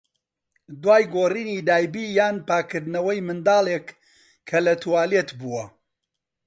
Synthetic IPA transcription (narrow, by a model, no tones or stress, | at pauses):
d̪waːjɡoːriːnid̪aːjbiːjaːnpaːkɨɾd̪nɐwɐjmɨnd̪ɑːlˠekːʰ | ɐlɐt̪ʰuwaːlet̪buwɐ